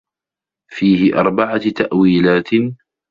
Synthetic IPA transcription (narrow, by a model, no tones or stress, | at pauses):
fiːhɪʔɑ̰ɾˤbaʕat̪aʔwiːlaːt̪